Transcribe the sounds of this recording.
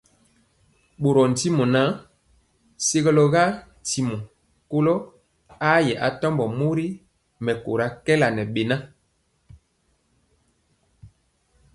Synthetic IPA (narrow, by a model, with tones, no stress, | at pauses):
ɓo˨ɾɔ˨n̩˨ti˦mo˨na˦ | se˦ɣɔ˦lo˦ɣa˦n˨ti˨mo˨ | ko˦lo˦ | a˦jɛ˨ʔa˨tɔ˦mbɔ˨mo˦ɾi˦ | mɛ˨ko̰˨ɾa˦kɛ˦la˨nɛ˨ɓe˨na˦